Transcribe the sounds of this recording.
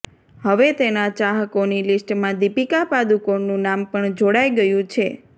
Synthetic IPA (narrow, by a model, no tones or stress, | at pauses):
ɦəʋet̪enat͡ʃaɦəkonilisʈmãd̪ipikapad̪ukonũnampəɳd͡ʒoɽajɡəjũt͡ʃʰe